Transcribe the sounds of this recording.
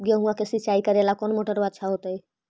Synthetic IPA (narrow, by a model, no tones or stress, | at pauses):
ɡeɦũãkesɪtːt͡ʃaikəɾelakɔnmoʈəɾbət̪ːʃʰaɦot̪əi